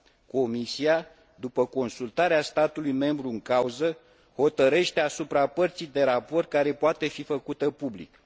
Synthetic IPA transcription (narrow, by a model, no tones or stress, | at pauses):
ko̞misia | d̪upəko̞nsult̪aɾeast̪at̪ulujme̞mbɾuɨŋkauzə | ho̞t̪əɾe̞ʃt̪e̞asupɾapərt̪sijd̪e̞ɾapo̞rt̪̚kaɾe̞poat̪e̞fifəkut̪əpublḭk